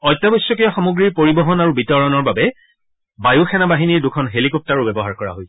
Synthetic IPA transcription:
ɔjtːabɔjsːɔkijɔxamuɡɹiɹpoɹibɔɦɔnaɹubitɔɹɔnɔɹbabɛ | bajuxʰɛnabaɦiniɹdukʰɔnɦelikɔp̚taɹʊbɛbɔɦaɹkɔɹa̰ɦoj

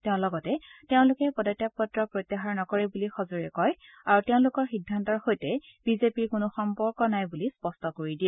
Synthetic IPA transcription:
teʊ̃lɔɡɔtɛteʊ̃lʊkɛpɔdatjap̚ːɔtɹɔpɹojt̪ːaɦaɹnɔkɔɹɛbulixɔzoɹɛkɔj | aɹuteʊ̃lʊkɔɹxidʱːantɔɹxojtɛ | b̥izepiɹkʊnʊxɔmpɔɹkɔnajbulispɔstɔkoɹidiɛ

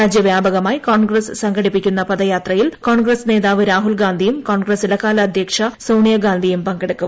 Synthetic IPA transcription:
aːd͡ʑjɐʋjaːbɐɣɐmaːjikoːɳɡrɐssɐŋɡʱɐɽipːikʲːunːɐpɐðɐjaːt̪rɐjilkoːɳɡrɐsne̞ːðaːʋɨɾaːɦulɡaːnd̪ʱijumkoːɳɡrɐsilɐkːaːlɐːd̪ʱjɐkʂɐsɐwɳijɐɡaːnd̪ʱijumpɐŋɡɐɽukːu

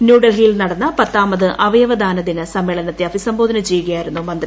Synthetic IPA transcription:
njuːɽɐlɦijlnɐɽɐnːɐpɐt̪ːaːmɐðɨʔɐʋɐjɐʋɐd̪ʱaːnɐðinɨsɐmːeːɭɐnɐt̪ːeɐfisɐmbo̞ːd̪ʱɐnɐt͡ɕe̞jːuɣɐjaːjiɾunːumɐnd̪r

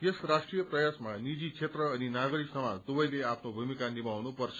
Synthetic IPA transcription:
jesrasʈrijʌprʌjasmanid͡zit͡ʃʰet̪rʌːninaɡʌɾiksʌmad̪ubʌjleapʰnobʱumikanibawnupʌrt͡sʰʌ̥

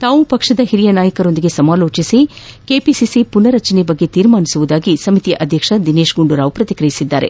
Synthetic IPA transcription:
t̪aːʋupɐkʂɐd̪ɐɦiɾijɐnaːjɐkɐɾo̞nd̪iɡe̞sɐmaːloːt͡ʃisikeːpisisipunɐɾɐt͡ʃɐnɛbɐɡːe̞t̪iːɾmaːnisuʋud̪aːɡisɐmit̪ijɐʔɐd̪ʱjɐkʂɐd̪ineːʃɡuɳɖuɾaːʋupɾɐt̪ikɾɐjisid̪ːaːɾe̞̰

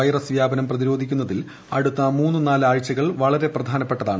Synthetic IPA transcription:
ɐjrɐsʋjaːbɐnɐmprɐðiɾo̞ːd̪ʱikʲːunːɐðil | ɐɽut̪ːɐmuːnːɨnaːlaːɻt͡ɕːɐɣɐɭʋɐɭɐɾe̞prɐd̪ʱaːnɐpːe̞ʈːɐðaːɳɨ

